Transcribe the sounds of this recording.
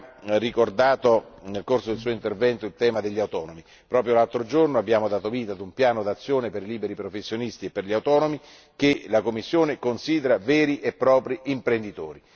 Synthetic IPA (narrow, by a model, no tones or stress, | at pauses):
rikord̪aːt̪onelkorsod̪elsuːoint̪ervɛnt̪oilt̪ɛːmad̪eʎːawt̪ɔːnomi | pɾɔːp̬ɾjolalt̪ɾod͡ʒornoabːjaːmod̪aːt̪oviːt̪aːd̪umpjaːnod̪at̪sːjoːneperiliːbeɾipɾofesːjonist̪iepːerʎiawt̪ɔːnomi | kelakomːisːjoːnekonsiːd̪eɾavɛːɾiʔepːɾɔːpɾiimpɾend̪it̪o̰ːɾi